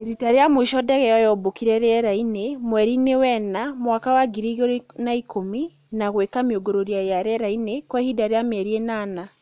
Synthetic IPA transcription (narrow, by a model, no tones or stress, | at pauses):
eɾitaɾeamoiʃɔdɛɣɛjɔjɔbokiɾɛɾɛɾainemwɛɾinewɛnamwakawaɡiɾiɣoɾnaikomi | naɣwekamioɡoɾoɾiajaɾɛɾainekwɛhidaɾeamɛɾienaːna